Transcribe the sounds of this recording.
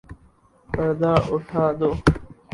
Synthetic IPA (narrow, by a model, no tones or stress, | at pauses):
pəɾd̪aːʔʊʈʰaːd̪oː